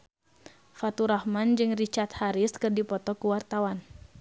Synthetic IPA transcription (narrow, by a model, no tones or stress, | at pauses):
fat̪uɾahmand͡ʒɨŋrit͡ʃart̪̚haɾiskɨrdipɔt̪ɔkuwart̪awan